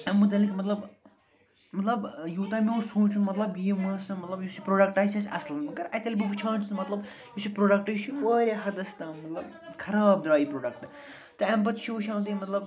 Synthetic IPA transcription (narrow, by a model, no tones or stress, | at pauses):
ɐmːut̪ɐlikmɐt̪lɐb | mɐt̪lɐbjuːt̪aːmeosũːt͡ʃʰunmɐt̪lɐbjiːmɐ̃sɨmɐt̪lɐbjusipɾoːɖɐk̚ʈaːjt͡ʃʰɐsʲɐslnmɐkɐɾɐt̪ɐlʲibiʋut͡ʃʰãːnt͡ʃʰunmɐt̪lɐb | jusipɾoːɖɐk̚ʈɨjt͡ʃʰiɐːɾʲaɦɐd̪ɐst̪aːmɐt̪lɐb | kʰɐɾaːbd̪ɾaːipɾoːɖɐk̚ʈ | t̪ɨɐmbɐt̪ʃʰuːʃʰãːnt̪imɐt̪lɐb